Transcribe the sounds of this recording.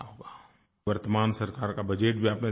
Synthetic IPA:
aɦoːɡaː | ʋəɾt̪əmaːnsɐɾkaːɾkabɐd͡ʒeːʈbʱiaːpne

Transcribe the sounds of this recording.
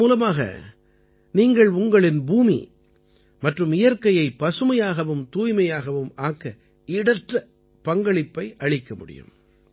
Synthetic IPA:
uːlɐmaːɣɐ̰ | niːŋɡɐɭʊŋɡɐɭɪnbuːmḭ | mɐʈrɯmɪjɐɾkɐjɐɪpːɐsɯmɐjaːɣɐʋɯmt̪uːjmɐjaːɣɐʋɯmaːkːɐ | ɪɽɐʈrɐ | pɐŋɡɐɭɪpːɐɪʔɐɻɪkːɐmʊɽɪ̰jɯ̰m

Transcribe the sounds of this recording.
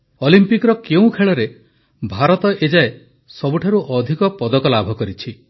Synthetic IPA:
ɔlimpikɾɔkeũkʰeɭɔɾe | bʱaɾɔt̪ɔʔed͡ʒae | sɔbuʈʰaɾuʔɔd̪ʱikɔpɔd̪ɔkɔlabʱɔkɔɾit͡ʃʰi

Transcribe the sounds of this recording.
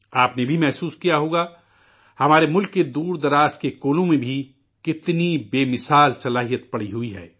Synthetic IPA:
aːpnebʱimɛɦsuːskijaɦoːɡa | hɐmaːɾemʊlkːed̪uːɾd̪ɐɾaːskekoːlõmẽbʱi | kɪt̪nibeːmɪsaːlsɐlaːɦijət̪̚pɐɽiɦʊiɦɛ̰ː

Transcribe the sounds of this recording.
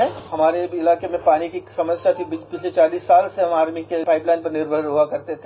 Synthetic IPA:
ɛ̃ɦɐmaːɾeɪlaːkemẽpaːɽ̃ikisɐməsjat̪ʰibipɪt͡ʃʰlet͡ʃaːliːsːaːlseɦɐmaːɾmikepaːɪplaːɪnpɐɾnɪɾbʱəɾɦuakɐɾt̪et̪ʰe

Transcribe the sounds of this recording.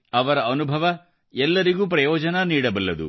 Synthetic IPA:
ɐʋɐɾɐʔɐnubʱɐʋɐ | ɛlːɐɾiɡuːp̬ɾɐjɔːd͡ʒɐnɐniːɽɐbɐlːɐd̪ṵ

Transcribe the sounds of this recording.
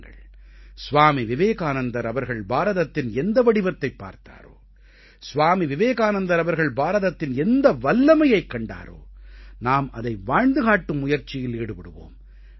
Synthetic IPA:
ɡɐ̰ɭ | sʊʋaːmiʋɪʋeːɣaːnɐnd̪ɐɾɐʋɐɾɣɐɭbaːɾɐðɐt̪ːɪnɛnd̪ɐʋɐɽɪʋɐt̪ːɐɪpːa̰ːɾt̪a̰ːɾo̰ː | sʊʋaːmiʋɪʋeːɣaːnɐnd̪ɐɾɐʋɐɾɣɐɭbaːɾɐðɐt̪ːɪnɛnd̪ɐʋɐlːɐmɐjɐɪkːɐɳɖa̰ːɾo̰ːnaːmɐðɐɪʋaːɻnd̪ɯɣaːʈːɯmːʊjɐɾt͡ʃːɪjɪliːɽɯpɐɽɯʋo̰ːm

